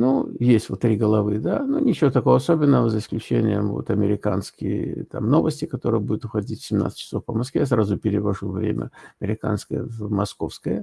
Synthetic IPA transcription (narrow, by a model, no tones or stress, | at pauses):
nujesʲtʲvot̪ːɾʲiɡəlˠɐvɨd̪anunʲɪt͡ɕɪvot̪ɐko̞vəɐsobʲɪnːəvəzəɪsklʲʉt͡ɕenʲɪjəmvo̰t̪ɐmʲɪɾʲɪkanskʲɪjət̪amno̞vəsʲtʲɪkɐt̪o̞ɾɨjəbudʲɪt̪ʊxɐdʲitʲfʲsʲɪmna̰t̪sə̥tʲt͡ɕːɪ̥so̞fpəmɐskvʲejasɾazʊpʲɪɾʲɪvɐʐuvɾʲḛmʲə̰ɐmʲɪɾʲɪka̰nskəjə̰vmɐsko̞fskəjə